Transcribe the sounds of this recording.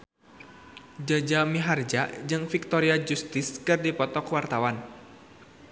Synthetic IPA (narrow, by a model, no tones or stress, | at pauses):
d͡ʒad͡ʒamiɦard͡ʒaʔd͡ʒɨŋfik̚t̪ɔɾiad͡ʒust̪ɪskɨrdipɔt̪ɔkwart̪awan